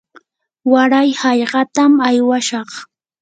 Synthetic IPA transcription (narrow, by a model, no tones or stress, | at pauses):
waɾajhɑʎɢɑt̪amajwaʃɑχ